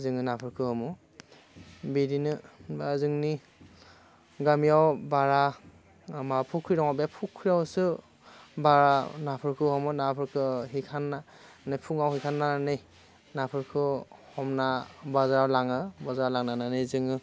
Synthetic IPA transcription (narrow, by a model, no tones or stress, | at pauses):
zɯŋɯnapʰɯɾkʰɯhɔmu | bidinɯbazɯŋni | ɡamiawbaɾa | mapʰukʰːɾiɾɔŋabijapʰukʰːiɾawsɯ | baɾanapʰɯɾkʰɯhɔmunapʰɯkʰɯɦikʰanːa | nɯjpʰuŋawhikʰanːanɯj | napʰɯɾkʰɯhɔmnabazaɾawlaŋɯbazaawlaŋnananɯjzɯŋɯ